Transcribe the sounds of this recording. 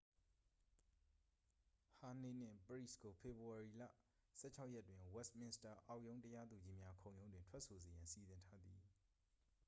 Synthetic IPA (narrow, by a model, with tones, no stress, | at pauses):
ha˨ne˨n̥ɪ̰̃˦˨pəɹḭ˦˨sko˨pʰe˨bu˨a˨ɹi˨la̰˦˨ | sɛ̰˦˨t͡ɕʰa˦ʊʔjɛ˦˨twɪ̃˨wɛ˦stmɪ̃˦nsta˨ʔa˨ʊʔjõ˦ʊ̃ntə˦ja˦d̪u˨d͡ʑi˦mja˦kʰõ˨ʊ̃jõ˦ʊ̃ndwɪ̃˨ntʰwɛ˦ʔso˨ze˨jã˨nsi˨zɪ̃˨ntʰa˦d̪i˨